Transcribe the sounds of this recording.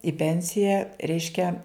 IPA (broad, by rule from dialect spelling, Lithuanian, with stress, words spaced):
ɪ ˈpʲɛnʲsʲɪjɛ ˈrʲɛɪʃʲkʲɛ